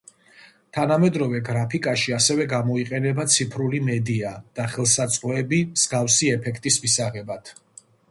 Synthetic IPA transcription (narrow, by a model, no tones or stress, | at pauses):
t̪ʰanamɛd̪ɾɔvɛɡɾapʰikʼaʃiasɛvɛɡamɔiqʼɛnɛbat̪sʰipʰɾulimɛd̪iad̪̥aχɛlˠsat̪sʼqʼɔɛbimz̥ɡafsiɛpʰɛkʰt̪ʼismisaʁɛbat̪ʰ